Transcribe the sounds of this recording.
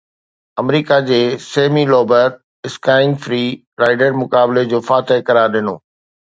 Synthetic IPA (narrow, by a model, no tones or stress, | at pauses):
ɐmɾiːkad͡ʑeːseːmilɔːbəɾ | ɪskaːɪnfɾiː | ɾaːɪɖəɾmʊkaːbled͡ʑoːfaːt̪əɦkɐɾaːɾɗɪno̰ː